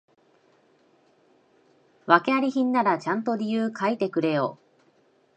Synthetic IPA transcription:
βake̞aɾʲiçĩnːaɾat͡ɕãnt̪o̞ɾʲijɯːkʰait̪e̞kɯ̟ɾe̞jo̞ː

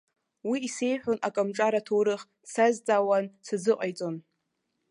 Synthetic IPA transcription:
wiːse̞jħʷᶣonʔakʼamʈ͡ʂʼaɾatʰoɾɨχ | sazd͡zʼawant͡sʰazɨqʼajt͡sʼo̞n

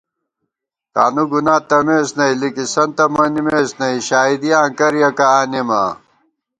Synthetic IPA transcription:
ka̰ːnuɡunaːt̪ɐmeːsnɐilikisɐnt̪ɐmɐnimeːsnɐiɕaːid̪ijaːŋkɐɾjɐkaaːnima̰

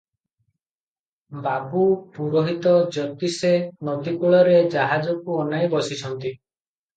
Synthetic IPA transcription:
babupuɾɔɦit̪ɔd͡ʒɔt̪isenɔd̪ikuɭɔɾed͡ʒaɦad͡ʒɔkuɔnajbɔsit͡ʃʰɔnt̪i

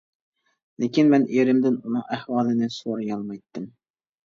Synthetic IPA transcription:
lekʲinmɛneɾɪmd̪ɪnunɨŋæhwɑːlˠɪnɪsoɾjɑlˠmɑjt̪ːɪm

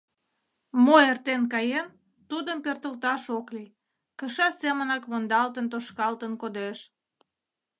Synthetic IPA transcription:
moert̪enkɑjen | t̪ud̪əmpørt̪əlt̪ɑʃokli | kəʃɑsemənɑkmond̪ɑlt̪ənt̪oʃkɑlt̪ənkod̪eʃ

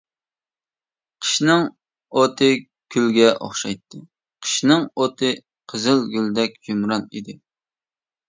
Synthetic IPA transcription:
qʰə̥ʃnɨŋ | ot̪ʰɨ | kʲʰylɡʲɛʔo̰χʃɑjt̪ʰːɨ | qʰə̥ʃnɨŋot̪ʰɨ | qʰəzɨlˠɡʲyld̪ɛk̚ʲd͡ʒumɾɑnḭd̪ɪ

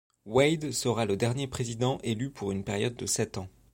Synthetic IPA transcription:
wɛjd̪səʁaləd̪ɛʁnjepχezid̪ɑ̃ʔelypʰuʁynpɛʁjɔd̪ːəsɛt̪ɑ̃

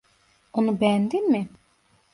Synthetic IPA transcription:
onubɛjænd̪inmɪ

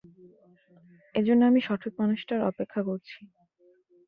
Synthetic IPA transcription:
ed͡ʑonːeamiʃɔʈʰok̚manoʃʈaɾɔpekʰːakoɾt͡ɕʰi

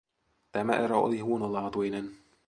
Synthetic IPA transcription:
t̪æmæʔeɾoo̰liɦuonolɑːt̪ujnen

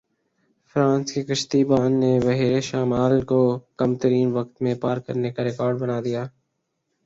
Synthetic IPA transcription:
fɾãːnskekɐʃt̪iːbaːnːebɐɦiːɾeʃaːmaːlkokɐmt̪əɾiːnʋɐk̚t̪mẽpaːɾkɐ̰ɾnekaɾɪkɔːɾɖbɐnaːd̪ijaː

